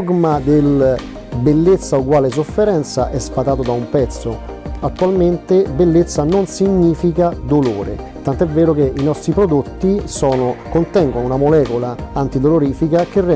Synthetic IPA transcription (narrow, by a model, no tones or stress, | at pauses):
ɡmad̪el | belːet̪sːauɡwaːles̬ofːeɾɛnt̪saʔɛspat̪aːt̪od̪aumpɛt̪sːo | at̪ːualment̪ebelːet̪sːanonsiɲːiːfikad̪oloːɾḛ | t̪ant̪oɛvːɛːɾʊkeʔinɔst̪ɾipɾod̪ot̪ːisɔːnʊkont̪ɛŋɡonunamolɛːkolaant̪id̪oloɾiːfikak̟erːɛ